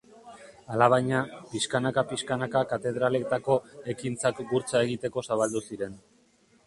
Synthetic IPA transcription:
alaβ̞ajɲapiskanakapiskanakakat̪e̞ð̞ɾale̞kt̪ako̞e̞kint͡sakɡuɾt͡sae̞ɣit̪e̞ko̞saβ̞ald̪usiɾe̞n

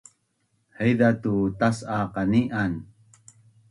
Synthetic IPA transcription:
həjdat̪ut̪asaqaniʔan

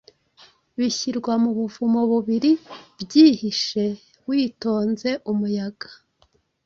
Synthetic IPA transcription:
βiçiɾɡwamuβuvumoβuβiɾibɟiːhiʃe̞ | wiːto̞ːnze̞ʔumujaɡḁ

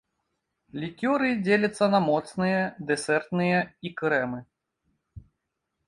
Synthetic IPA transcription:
lʲikʲɔɾɨd͡zʲelʲɐt̪sːɐnɐmɔt̪snɨjɐd̪ɛsʲɛrt̪nɨjɛikɾɛmɨ

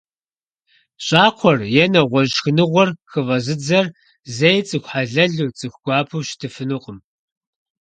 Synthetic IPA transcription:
ɕʼaːqʷʰɔrjɛnɐʁʷɔʑxɨnɨʁʷɔrxɨvɐzɨd͡zɐr | zejt͡sʼɨxʷħaɮɐɮuːt͡sʼɨxʷɡ̥ʷɑːpʰuwʃtʰɨfɨnɨqʼəm

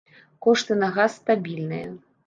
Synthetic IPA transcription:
kɔʂt̪ɨnɐɣasːt̪abʲilʲnɨjɐ̰

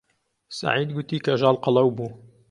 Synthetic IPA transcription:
sa̰ʕiːd̪ɡʊt̪iːkʰɐʒɑːlqɑlɐwbuː

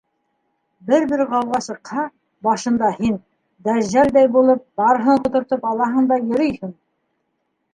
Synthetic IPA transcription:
bɘɾbɘɾʁɑwʁɑsɤ̆qhɑ | bɑʃɤ̆nd̪ɑhin | d̪æzæld̪æjbulˠɤp̚bɑɾɦɤɴqŏt̪ŏɾt̪ɤpɑlˠɑɦɤɴd̪ɑjɵ̆ɾɵjhɘɴ

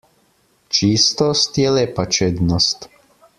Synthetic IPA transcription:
t͡ʃiːst̪ɔst̪jɛleːpat͡ʃeːd̪nɔst̪

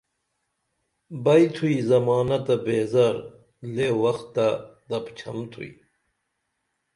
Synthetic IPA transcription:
bɐjt̪ʰuizɐmaːnɐt̪ɐbeːzɐɾ | lewɐxt̪ːad̪ɐpt͡ɕʰɐmt̪ʰṵḭ

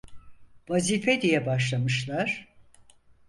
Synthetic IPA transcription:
vazifed̪ijɛbaʃlˠamɯʃlˠaɾ̥

